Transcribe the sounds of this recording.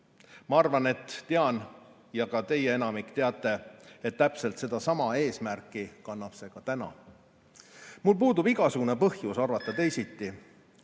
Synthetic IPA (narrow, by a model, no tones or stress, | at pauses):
mɑɑrvɑne̞t̪ːeɑn | jɑkɑt̪e̞jee̞nɑmikːt̪eɑt̪ːˑe̞et̪ːæpse̞lt̪se̞d̪ɑsɑmɑe̞ːsmærkːˑikɑnːɑpse̞kɑt̪ænɑ̰ | mulpuːd̪ubiɡ̥ɑsuɡ̥unepɤhjusɑrvɑt̪ːˑɑt̪e̞jsit̪ːˑi